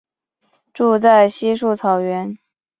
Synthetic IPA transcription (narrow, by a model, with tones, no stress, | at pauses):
ʈ͡ʂu˥˧t͡sa˥˩ɪɕi˥ʂu˥˩t͡sʰɑ˨˩ʊɥɛ˧˥n